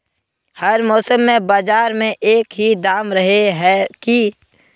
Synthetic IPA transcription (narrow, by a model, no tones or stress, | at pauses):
hɐɾmɔːsəmːẽbaːd͡ʒaːɾmẽʔeːkɦid̪aːmɾɐɦeɦɛki